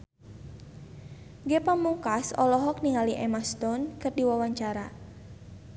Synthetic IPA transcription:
ɡepamukasɔ̰lɔɦɔk̚niŋaliʔɛmast̪ɔnkərdiwawaɲt͡ʃaɾa

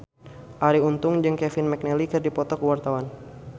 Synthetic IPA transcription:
ʔaɾiunt̪ʊŋd͡ʒɨŋkɛfɪnmɛk̚nɛlikɨrdipɔt̪ɔkuwart̪awan

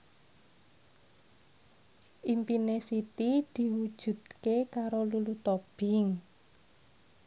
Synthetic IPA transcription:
ʔimpinesit̪id̪̥i̤wud̥ʒ̥ṳd̪̥̚kekaɾolulut̪ɔb̥ɪ̤ŋ

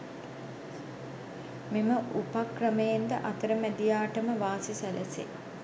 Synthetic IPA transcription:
miməʔupakrəməjend̪əʔat̪əɾəmæd̪ijaːʈəməʋaːsisælʔəsḛ

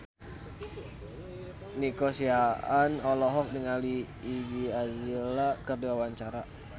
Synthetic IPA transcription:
nikosiaʔanɔlɔɦɔk̚niŋaliː | ɡiazilakərduawaɲt͡ʃaɾa

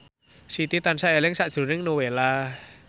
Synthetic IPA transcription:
sit̪it̪ansaʔɛliəŋsa̰suniŋnowela

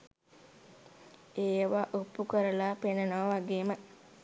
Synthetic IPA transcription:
eːʋaːʔupːukəɾəlaːpenənaʋʋaɡeːmə

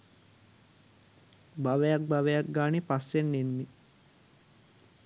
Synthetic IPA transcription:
baʋejak̚baʋejak̚ɡaːnipasːenːenːi

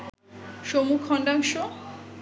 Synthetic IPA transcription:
ʃomukʰːɔnɖaŋʃo

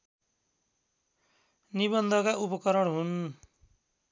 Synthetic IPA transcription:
niβʌnd̪ʱʌkaʔupʌkʌɾʌɽɦun

